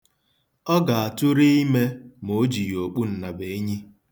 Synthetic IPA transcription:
ɔ˦ɡa˨a˨tʊ˦ɾi˦i˦me˦mo˨˦d͡ʒi˨o˨k͡pu˦n̩˨na˨be˨e˦ɲi˦

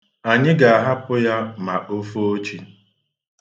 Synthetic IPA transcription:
a˨ɲɪ˦ɡa˨a˨ɦa˦pʊ˦ja˦ma˨ʔo˦fo˦o˦t͡ʃi˦

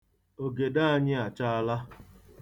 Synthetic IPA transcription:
o˨ɡe˨da˦a˦ɲɪ˦a˨t͡ʃa˦a˦la˦

